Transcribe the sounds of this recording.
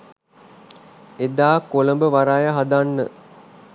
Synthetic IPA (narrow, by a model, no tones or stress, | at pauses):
ed̪aːkoləmbəʋaɾajəɦad̪anːə̰